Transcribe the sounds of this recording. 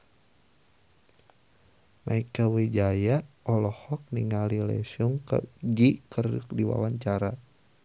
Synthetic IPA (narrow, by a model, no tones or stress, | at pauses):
maikawed͡ʒajaɔlɔhɔk̚niŋalilɛ̰suŋkə̰d͡ʒikərṵk̚diwa̰waɲt͡ʃaɾa